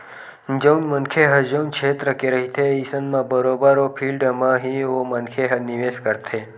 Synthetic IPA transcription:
nd͡ʒəwnmənkʰeɦəd͡ʒəunkʰet̪ɾəkeɾəɦit̪ʰeisənmãbəɾobəɾopʰilɖmãɦiomənkʰeɦəniʋeskəɾt̪ʰe

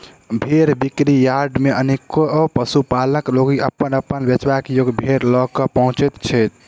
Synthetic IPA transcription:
bʱeɾbikɾijaɾɖmeʔənekopəsupaləkloɡiʔəpːənəpːənbət͡ʃwakjoɡbʱeɾlɔkɔpəɦũt͡ʃet̪t͡ʃʰɛt̪̚

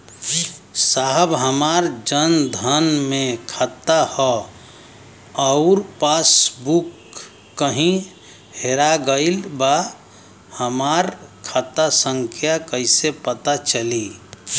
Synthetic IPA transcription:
saɦəbɦəmaɾd͡ʒənd̪ʱənmẽkʰat̪ahɔ | əʊɾpasbukː | əɦĩ | heɾaɡəɪlba | həmaɾkʰət̪asə̃ŋkʰjakəɪsepət̪at͡ʃəli

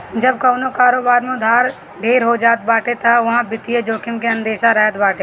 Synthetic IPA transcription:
d͡ʒəb̚kaːnokaːɾoːbaːɾmẽd̪ʱaːɾ | ɖʱeːɾɦod͡ʒaːt̪̚baːʈet̪ʰaʋɐɦãbɪt̪ijed͡ʒoːkʰɪmkeə̃nd̪eːʃaɾəɦət̪baːʈe

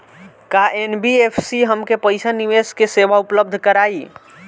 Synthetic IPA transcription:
kaʔenbiepʰsiɦəmkepəjsaniʋeskeseʋaupləb̚d̪ʱkəɾaːi

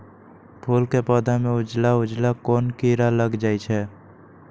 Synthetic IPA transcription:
pʰuːlkepɔːd̪ʱamẽʊd͡ʒlaʊd͡ʒlakoːnkiɾaləɡd͡ʒaːit͡ʃʰɛː

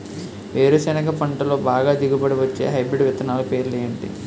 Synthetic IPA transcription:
ʋeːɾusɐnɐkɐpɐɳʈɐloːbaːɡaːd̪iɡibɐɽiʋɐt͡ʃːeːɦɐjbɾiɖʋit̪ɐnaːlɐpe̞ːɾuleːɳʈḭ

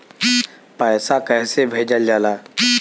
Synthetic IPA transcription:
pəːsakɛːsebʱeːd͡ʒəld͡ʒalaː

